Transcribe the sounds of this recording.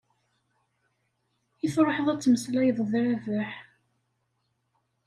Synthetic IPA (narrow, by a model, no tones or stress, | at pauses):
iθɾˤəħəðˤæt͡sːməslæjðˤðɾævəħ